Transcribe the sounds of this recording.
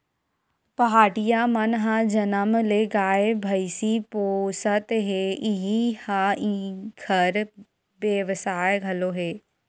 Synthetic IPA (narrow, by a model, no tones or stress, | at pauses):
pɐɦaːʈijaːmɐnɦãd͡ʒɐnəmleːɡaːebʱɐɪsipoːsət̪ɦeiɦihãikʰəɾ | ʋjəʋsaːjɡʱɐloɦeː